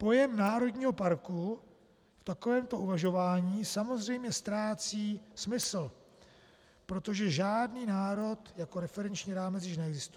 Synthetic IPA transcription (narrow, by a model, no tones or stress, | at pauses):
po̞jɛmnaːɾo̞dɲiːɦo̞paɾku | ft̪ako̞vɛːmt̪o̞ʔuvaʒo̞vaːɲiːsamo̞zr̝ɛjmɲɛst̪ɾaːt͡siːsmɪsl̩ | pɾo̞t̪o̞ʒɛʒaːdniːnaːɾo̞t̪jako̞ɾɛfɛɾɛnt͡ʃɲiːɾaːmɛt͡sjɪʃ̬nɛɛɡzɪst̪uɛ